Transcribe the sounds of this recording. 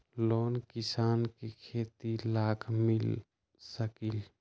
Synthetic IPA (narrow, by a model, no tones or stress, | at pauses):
loːnkisaːnkekʰeːt̪ilaːkʰmil | səkil